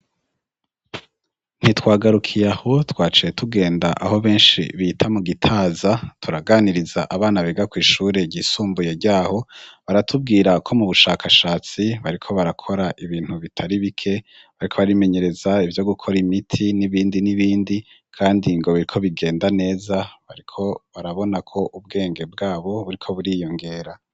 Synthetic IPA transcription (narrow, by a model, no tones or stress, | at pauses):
n̥hitwaːɡaɾukʰijaho̞twaːt͡ʃije̞tʰuɡe̞ːndaʔa̰ho̞βe̞ːnʃḭβiːtʰamuɡitʰaːzatʰuɾaɡaːniɾizaʔaβaːnaβeɡakwiːʃuːɾe̞ɟiːsuːmbuje̞ɾɟaːho̞βaɾatʰub̚ɡiːɾakʰo̞muβuʃaːkaʃaːt͡siβaɾikʰo̞βaɾakʰo̞ɾaʔiβiːn̥uβitʰaɾiβikʰe̞ | βaɾikʰo̞βaɾime̞ɲe̞ɾe̞zaivjo̞ɡukʰo̞ɾimitʰiniβiːndiniβiːndi | kʰaːndiŋɡo̞βiɾikʰo̞βiɡe̞ːndane̞ːzaβaɾikʰo̞βaɾaβo̞nakʰo̞ʔub̚ɡe̞ːŋɡe̞b̚ɡaːβo̞βuɾikʰo̞βuɾiːjo̞ŋɡe̞ːɾa